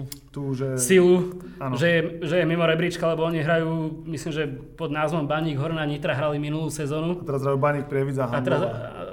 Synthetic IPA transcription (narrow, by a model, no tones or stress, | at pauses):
t̪uːʒɛsilu | anʒɛjɛʒɛjɛmimɔɾɛbɾit͡ʃkalɛbɔɔɲiɦɾajuːmisliːmʒɛ | pɔd̪naːzʋɔmbaɲiːɡɦɔɾnaɲit̪ɾaɦɾaliminulˠuːsɛzɔːnuat̪ɛɾazɦɾajuːbaɲiːk̚pɾɪɛʋid͡zaɦat̪ɛɾaz